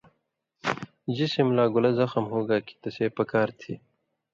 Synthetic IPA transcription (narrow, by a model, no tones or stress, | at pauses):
d͡ʑisimlaːɡʊlɐzɐxəmɦoːɡaːki̥t̪ɐseːpɐkaːɾt̪ʰḭː